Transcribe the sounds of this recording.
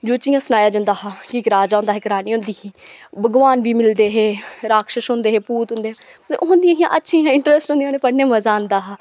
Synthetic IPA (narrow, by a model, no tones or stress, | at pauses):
d͡ʒoːt͡ʃijãːsənaːjaːd͡ʒə̃nd̪aːɦaːkikɾaːd͡ʒaːõːnd̪aːɦeːkəɾaːnĩːõːnd̪iːɦiːbəɡʋaːnʋiːmɪld̪eːɦeːɾaːkʃəʃɦõːnd̪eːɦeːpuːt̪ɦʊ̃ːnd̪eːã | eʔoɦʊ̃nd̪ijãːɦijãːʔətːʃʰĩjãːɪɳʈɾɛsʈɦõnd̪ĩãːneːpəɽnẽːməzaːənd̪aːɦaː